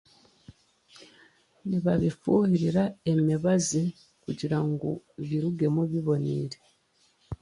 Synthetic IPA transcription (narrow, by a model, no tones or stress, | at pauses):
niβaβifuhiɾiɾaemiβazi | kuɟiɾaŋɡo̰βiɾuɡe̞muβiβo̞nḭːɾe